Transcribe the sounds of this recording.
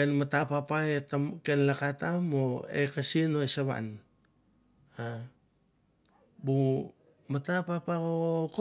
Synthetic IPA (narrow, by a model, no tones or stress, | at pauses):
enmatapapaetakenlakatamoḛkasinoesaβa̰n | a | bu | matapapakoko